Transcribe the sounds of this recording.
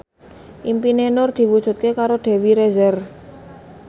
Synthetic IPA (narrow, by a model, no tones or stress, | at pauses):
ʔimpinenʊrd̪̥i̤wud̥ʒ̥ṳt̪̚kekaɾoɖ̪̥e̤wiɾezɛr